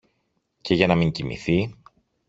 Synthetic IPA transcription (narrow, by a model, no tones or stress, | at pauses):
ce̞ʝɐnɐmiɲcimḭθi